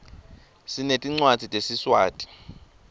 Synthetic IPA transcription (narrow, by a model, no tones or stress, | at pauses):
sinetʼiŋ͡ǀwad̥z̥ʱitʼesiswaːtʼi̥